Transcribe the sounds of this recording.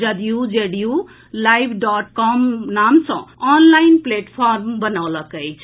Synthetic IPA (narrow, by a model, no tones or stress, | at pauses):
d͡ʒʌd̪ijud͡ʒeɽju | lajbʱɖɔʈkɔmnamsʌ̰̃anlajnpleʈpʰarmbʌnawlʌkʌjt͡sʰ